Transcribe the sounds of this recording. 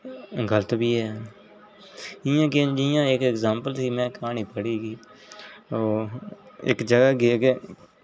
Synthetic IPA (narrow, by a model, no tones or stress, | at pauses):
ɡələt̪biːɦɛː | ɪjãːked͡ʒɪjãːɪkɪkzãːmpəlsiːmɛ̃ːkaːniːpəɽiːɡiː | oː | ɪ̰kd͡ʒəɡaːɡɪeke